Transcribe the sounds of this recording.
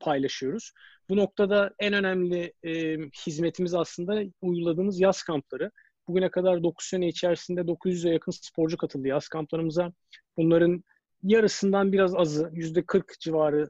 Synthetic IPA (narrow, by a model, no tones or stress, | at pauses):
pʰajlˠaʃɯjo̞ɾuz̥buno̞k̚t̪ʰad̪aænø̞næmlʲɪː | hizme̞t̪ʰimizaslˠɯnd̪aujɡulˠad̪ɯːnɯzjaskʰamplˠaɾɯ | b̥uɟynɛkʰad̪aɾd̪o̞kʰu̥ssenɛit͡ʃʰæɾsind̪ɛd̪o̞kʰuzjyzd̪ɛjakʰɯnspʰo̞ɾd͡ʒukʰat̪ʰɯlˠd̪ɯjaskʰamplˠaɾɯmɯza | b̥unlˠaɾɯn | jaɾɯsɯnd̪anbiɾazazɯjyzd̪ɛkʰɯɾkd͡ʒivaːɾɯ